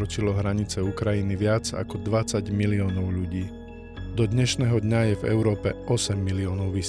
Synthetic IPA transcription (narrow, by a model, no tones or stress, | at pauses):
ɾɔt͡ʃilɔɦɾaɲit͡sɛukɾajiniʋɪad͡za̰kɔd̪ʋat͡saɟmiliɔːnɔʊʎuɟiː | d̪ɔd̪ɲɛʃnɛːɦɔd̪ɲajɛvɛ̰ʊɾɔːpɛʔɔsɛmːiliɔːnɔʊʋi